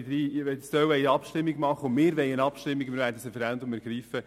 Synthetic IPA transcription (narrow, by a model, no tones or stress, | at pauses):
d̪ɾiːɛstœwɛjɑpʃtɪmːiɡmɑχəʊmɪːɾʋɛjənɑpʃtɪmːiɡmɪɾʋæːɾdəsefɛɾɛnd̪ʊmæɾɡ̥ɾiːfə